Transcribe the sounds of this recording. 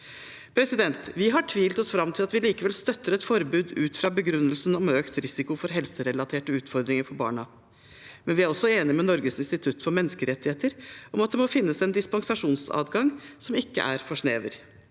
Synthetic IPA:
pʰɾɛsɪd̪ɛnt̪ʋɪɦɑʈʰʋiːlət̪ɔsfɾɑmt̪ʰɪlɑt̪ʋɪliːkəʋɛlst̪œt̪ːəɾɛt̪fɔɾbʉːd̪ʉ̰ːt̪fɾɑːbəɡɾʉnːəlsənɔmøːkt̪ɾɪsɪkʊfɔɾɦɛlsəɾɛlɑt̪ʰeːʈəʉːt̪fɔɾd̪ɾɪŋəɾfɔɾbɑ̰ːɳɑ | mɛnʋɪæɾɔsːɔeːnɪmɛnɔɾɡəsɪnst̪ɪt̪ʰʉt̪ːfɔɾmɛnːəskəɾɛt̪ːɪheːt̪əɾʔɔmɑt̪̚d̪ɛmɔfɪnːəsɛnd̪ɪspɑŋsɑʂuːnsɑ̰ːd̪ɡɑŋsɔmɪkːə̰ʔæ̰ɾfɔʂneːʋəɾ

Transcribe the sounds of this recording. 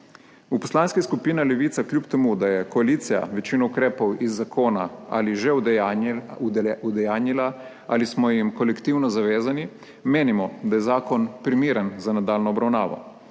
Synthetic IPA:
upɔ̥slaːnskiskupiːnalɛʋiːt̪saklʲjupt̪ɛmud̪ajɛkɔaliːt̪sija̰ʋɛt͡ʃiːnɔukɾeːpɔwizːakʰoːnaa̰liʒɛ | ud̪ɛjaːnila | alismɔjimkɔlɛkt̪iwnɔzaʋeːzani | meːnimɔd̪ajɛzaːkɔnpɾimiːɾənzanad̪aːlnɔːbɾawnaːʋɔ̰

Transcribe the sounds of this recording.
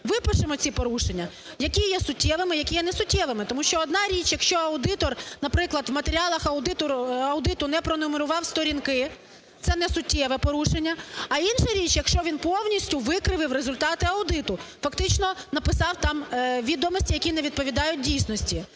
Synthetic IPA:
ʋɪpɪʃɪmɔt͡sʲipɔɾuʃenʲːɐ | jɐkʲijɛsʊtʲːɛʋɪmɪjɐkʲijɛnɛsʊtʲːɛʋˠɪmɪt̪ɔmuʃt͡ʃɔːd̪nɑɾʲit͡ʃjɐkʃt͡ʃɔɐʊd̪ɪt̪ɔrnɐpɾɪklˠɐd̪ʋmɐt̪eɾʲiɑlˠɐxɐʊd̪ɪt̪ɔɐwd̪ɪt̪ʊnɛpɾɔnɔmeɾʊʋɑwst̪ɔɾʲinkɪ | t̪sɛnɛsʊtʲːɛʋɛpɔɾuʃenʲːɐɐinʃɐɾʲit͡ʃjɐkʃt͡ʃɔʋʲinpɔwnʲisʲtʲʊʋɪkɾɪʋɪwɾezʊlʲt̪ɑt̪ɪɐʊd̪ɪt̪ʊfɐkt̪ɪt͡ʃnɔnɐpɪsɑwt̪ɑmʋʲid̪ɔmɔsʲtʲijɐkʲinɛʋʲid̪̚pɔʋʲid̪ɑjʊt̚ʲdʲijsʲnɔsʲtʲi

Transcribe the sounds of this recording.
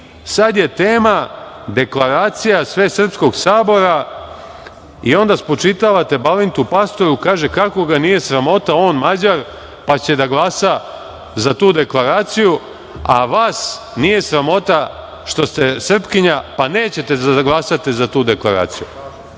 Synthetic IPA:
sad̪je̞t̪eːma | d̪e̞klaɾaːt̪sijasʋe̞ːsr̩psko̞ɡsaːbo̞ɾa | io̞nd̪aspo̞t͡ʃit̪aʋat̪e̞balint̪upast̪o̞ɾukaːʒe̞kako̞ɡanije̞sɾamo̞t̪ao̞ːnmad͡ʑaɾ | pat͡ɕe̞d̪aɡlˠaːsa | zat̪uːd̪e̞klˠaɾaːt̪siju | aʋaːs | nije̞sɾamo̞t̪a | ʃt̪o̞st̪e̞sr̩pkiɲapane̞ːt͡ɕe̞t̪e̞aɡlˠasat̪izat̪uːd̪e̞klˠaɾa̰ːt̪siju

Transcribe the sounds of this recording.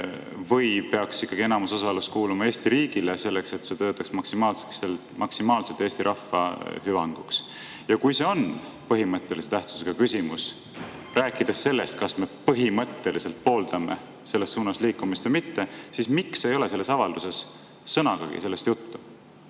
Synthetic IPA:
vɤjpe̞ɑksikːˑɑɡ̥ienɑmuso̞sɑluskuːlumɑe̞ːsʲt̪iɾiːɡ̥ilese̞lːe̞kse̞t̪se̞t̪øːt̪ːˑɑksmɑksimɑːlse̥ksel | mʔɑksimɑːlse̞lt̪eːsʲt̪iɾʔɑfːɑɦyvɑŋɡ̥uks | jɑkujse̞o̞n | pɤɦimɤt̪ːˑe̞liset̪æht̪su̥seɡ̥ɑkysimus | ræːkːˑid̪̥esːe̞lːe̞st̪̚kɑsme̞pɤɦimɤt̪ːˑe̞lise̞lt̪̚po̞ːld̪̥ɑme̞̰ | se̞lːe̞ssuːnɑsliːkːumist̪vəjmit̪ːesismikse̞jo̞le̞selːe̞sɑvɑld̪use̞sː | ɤnɑɡ̥ɑɡḭselːe̞st̪jut̪ːu

